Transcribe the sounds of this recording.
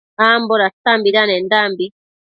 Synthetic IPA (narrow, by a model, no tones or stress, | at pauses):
ambɔɾatambiɾanɛndambi